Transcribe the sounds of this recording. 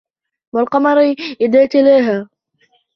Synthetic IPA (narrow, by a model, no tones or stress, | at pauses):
walqɑmɑɾˤʔɪd̪aːt̪alaːɦaː